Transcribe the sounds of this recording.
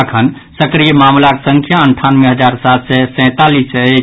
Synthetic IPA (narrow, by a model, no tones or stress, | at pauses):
əkʰən | səkɾijəmamlaksəŋkʰjaəɳʈʰanmeɦəd͡ʒaɾsat̪sɛsɛ̃t̪alise